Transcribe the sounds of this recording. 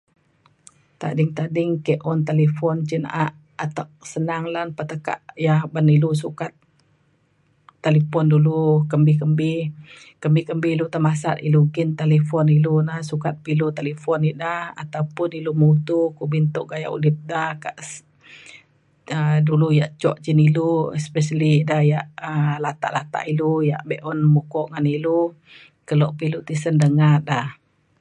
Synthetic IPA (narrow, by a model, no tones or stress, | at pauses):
t̪a̰ʔdɪŋt̪adɪŋkɛʔʔɔnt̪alifɔnt͡ʃinʔaʔ | at̪aʔ̚sənaŋlanpət̪əka̰ʔjahbanilus̬ukat̪ | alipɔndulukəmbɪkəmbɪh | kəmbɪhkəmbilut̪əmasat̪iluɡint̪alefɔnilunahsukat̪̚pilut̪alifɔnidaha̰t̪awpʊnilumut̪ukuʔbint̪ʊʔ̚ɡaja̰ʔṵlip̚dahkaʔs | ədulujaʔt͡ʃɔʔt͡ʃiniluɛspɛʃəlidahjaʔəlat̪a̰ʔlat̪a̰ʔiluja̰ʔbɛʔɔnmukɔʔŋanilu | kəlɔʔpilut̪isəndəŋat̪̚ah